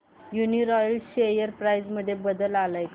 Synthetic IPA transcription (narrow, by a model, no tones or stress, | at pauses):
juniɾɔjəlɕejəɾpɾajd͡zməd̪ʱːjebəd̪əlalaj